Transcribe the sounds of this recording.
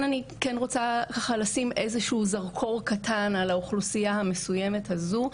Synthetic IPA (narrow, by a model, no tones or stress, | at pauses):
nanikɛnʁot͡sakaχalasimʔezeʃuːzaʁkʰo̞ʁkatʰanalauχlusijahame̞sujeme̞thazu